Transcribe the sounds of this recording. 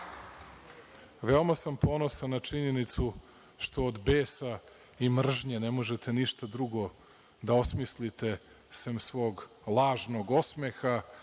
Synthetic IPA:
ʋe̞omasampʰo̞no̞sanːat͡ʂiɲe̞nit̪su | ʃt̪o̞ːd̪beːsa | imr̩ʒɲenemo̞ʒet̪e̞niʃt̪ad̪ɾuɡo̞ | d̪ao̞smislit̪e̞ | semsʋo̞ːɡ | lˠaːʒno̞ɡosmexa

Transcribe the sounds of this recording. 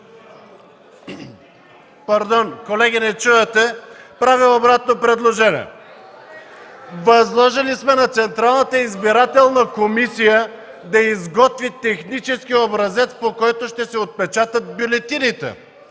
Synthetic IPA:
pɐɾd̪ɔnkolɛɡʲinɛt͡ʃuɛt̪ɛpɾaviobɾat̪nopɾɛd̪lˠoʒɛnḭɛ̰ | vɐzlˠɔʒilismɛnɐt̪sɛnt̪ɾalˠnət̪əizbiɾat̪ɛlˠnəkomisijə | d̪ɐizɡɔt̪vit̪ɛxnit͡ʃɛskʲiobɾɐzɛt̪spokɔjt̪oʃt̪ɛsɛot̪̚pɛt͡ʃat̪ət̪̚bjulɛt̪init̪ɛ̰

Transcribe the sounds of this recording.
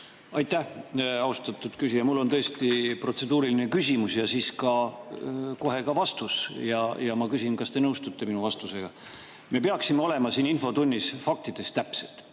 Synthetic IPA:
ɑjt̪ˑːæhɑust̪ɑt̪ːˑud̪̥kysijɑmulːo̞nt̪ɤ̞est̪ipro̞t̪se̞d̪uːɾiline̞kysʲimusjɑsiːskɑ | ko̞ɦe̞kɑvɑst̪usjɑjɑmɑkysʲinkɑst̪e̞nɤwst̪ut̪ːˑe̞minuvɑst̪use̞ɡ̥ɑ̰ | me̞peɑksimeo̞le̞mɑsiːninfo̞t̪unʲːisfɑk̚t̪id̪̥e̞st̪æpselt̪ˑ

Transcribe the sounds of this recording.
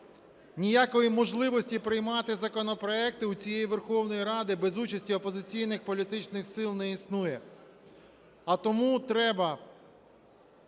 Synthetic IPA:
nʲijakɔjimɔʒlˠɪʋɔsʲtʲipɾɪjmɑt̪ɪzɐkɔnɔpɾɔɛkt̪ɪut͡sʲijejiʋerxɔwnɔjiɾɑd̪ɪbɛzut͡ʃɐsʲtʲiɔpɔzɪt͡sʲijnɪxpɔlʲit̪ɪt͡ʃnɪxsɪlˠnɛisnujɛ | ɐt̪ɔmut̪ɾɛbɐ

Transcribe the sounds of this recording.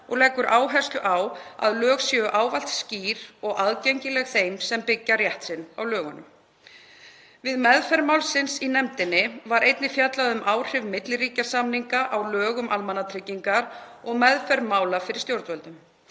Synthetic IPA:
ɔɣlɛːkːʏɾʔaːwɦɛr̥st̪lʏʔawa̰ðlœːɣsjɛʏʔaːwval̥t̪sciːɾɔɣaðceɲcɪlɛɣθejmsɛmpɪcːaɾjɛht̪sɪnːawlœːɣʏnʏ̰m | vɪðmɛðfɛɾmawlsɪnsinɛmt̪ɪnːɪvaɾʔejt̪nɪfjat̪laðʏmʔaːwr̥ɪvmɪt̪lɾiːcasamniŋkaʔawlœːɣʏmʔalmanːat̪ʰɾɪcːiŋkaɾɔɣmɛðfɛɾmaːwlafɪɾɪ̥st̪jowɾt̪vœlt̪ʏm

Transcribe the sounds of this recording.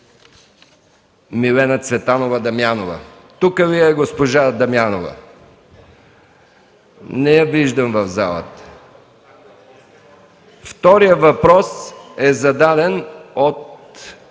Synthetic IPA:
milɛnət̪svɛt̪anovəd̪ɐmjanovə̰ | t̪ukəviɛɡospoʒad̪ɐmjanovə̰ | nɛjɐviʒd̪əmvɐvza̰lˠə̰t̪ | ft̪ɔɾijəvɐpɾɔsɛzɐd̪ad̪ɛnot̪

